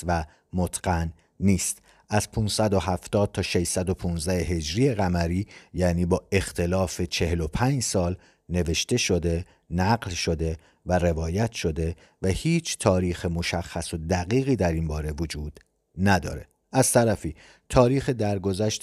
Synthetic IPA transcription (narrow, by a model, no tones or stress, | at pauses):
væ | mot̪ʰɡ̥ænː | iːst̪ | ʔæz̥pʰunsæd̪o̞ɦæft̪ɒːd̪̥̚t̪ʰɒːʃe̞ʃsæd̪o̞pʰunzd̪æheɦe̞d͡ʒɾiːe̞ɣæmæɾiːjæːniːbɒːʔe̞xt̪ʰe̞lɒːfe̞t͡ʃʰe̞ɦe̞lo̞pʰæːnd͡ʒsɒːl | ne̞ve̞ʃt̪e̞ʃo̞d̪e̞ | næɢlʃo̞d̪e̞ | væɾe̞vɒːjæt̪ʰʃo̞d̪e̞ | væhiːt͡ʃʰt̪ʰɒːɾiːxemo̞ʃæxːæso̞d̪æɣiːɣiːd̪æɾinbɒːɾe̞vod͡ʒuːd̪̥ | næd̪ɒ̰ːɾe̞̰ | ʔæz̥t̪ʰæɾæfiː | t̪ʰɒːɾiːxed̪æɾɡo̞zæʃt̪